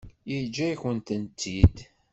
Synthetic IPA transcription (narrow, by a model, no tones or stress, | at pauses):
jid͡ʒːæjçənt̪ənt̪ːid̪